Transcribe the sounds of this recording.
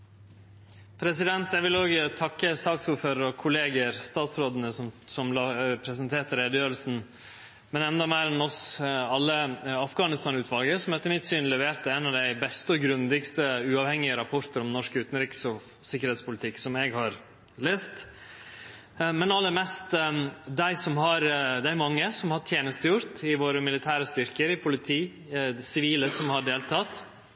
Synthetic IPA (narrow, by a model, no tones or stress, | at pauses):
pʰɾɛsɪd̪ɛnt̪ɛʋɪloːɡt̪ʰɑkːəsɑːksuːɾføːɾəɾɔkʰʊleːɡəɾst̪ɑːt̪sɾoːd̪ənəssɔmlɑpʰɾɛsənt̪ʰeːt̪əɾeːd̪əjøːɾəlsn̩ | mɛnɛnd̪ɑmeːɾɛnɔsɑlːəɑfɡɑːnɪst̪ɑnʉːt̪ʰʋɑlɡəɾsɔmhɛt̪ːəmɪt̪syːnlɛʋeːɾt̪əɛnɑʋd̪æɪbɛst̪əɔɡɾʉnd̪ɪɡst̪əʉːɑʋhɛŋːɪəɾɑpʰɔɾt̪əɾɔmnɔʂkʉːt̪n̩ɾɪksɔ | sɪkːəɾeːt̪spʊlɪt̪ʰɪkːsɔmɛɡhɑɾ | leːst̪ | mɛnɑlːəɾmɛst̪d̪æɪsɔmɦɑɾd̪æɪɾmɑŋːəsɔmhɑʈʰjeːnəst̪əjʊɾt̪ɪʋoːɾəmɪlɪt̪ʰæːɾəst̪ʏɾkəɾɪpʰʊlɪt̪ʰiː | sɪʋiːləsɔmhɑɖeːlt̪ʰɑt̪